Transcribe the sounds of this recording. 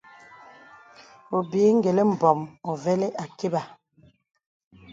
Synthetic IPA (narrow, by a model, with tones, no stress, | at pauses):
o˨biː˨˦ŋ˦ɡe˨le˦m̩˨bɔ˨mɔ˨vɛ˦le˦ʔa˨ke˦ba˨